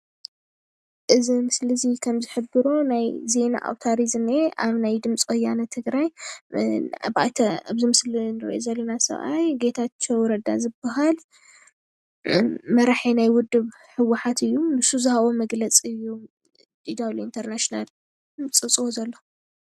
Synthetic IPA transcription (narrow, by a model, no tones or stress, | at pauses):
ʔɨzimɨslɨzikʰɐmzɨħɨbɨɾonajze̞na̰ʔa̰wt̪ʰaɾizmeʔaβnajd̪ɨmt͡sʼwɔjːanɐt̪ʰːɨɡɾaj | ba̰jt̪ʰɐaβzimɨslinɨɾḭʔo̰zɐlːɐnasɐ̰βʔa̰jɡe̞t̪ʰat͡ʃʰːowɾɐd̪a̰zɨbːaɦal | mɐɾaħinajwʊd̪ːɨβ | ħɨwːaħat̪ɨjːunɨsːuzɨhaβo̞mɐɡlɐt͡sʼɨjːu | d̪id̪awlint̪ʰɐɾnaʃnal | t͡sʼɨt͡sʼwozɐlːo